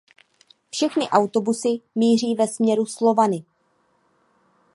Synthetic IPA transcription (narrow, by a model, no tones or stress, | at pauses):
fʃɛxnɪʔawt̪o̞busɪmiːr̝iːvɛsmɲɛɾuslo̞vanɪ